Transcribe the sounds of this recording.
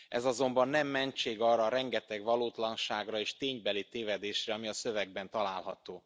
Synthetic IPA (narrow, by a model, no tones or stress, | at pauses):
ɛ̰zɒzo̞mbɒnːɛmːɛɲt͡ʃeːɡɒːrɒːɾɛŋɡɛt̪ɛɡʋɒluːt̪lɒnʃaːɡrɒeːʃt̪eːɲbɛlit̪eːvɛd̪eːʃrɛɒmiɒsøvɛɡ̚bɛnt̪ɒlaːlɦɒt̪oː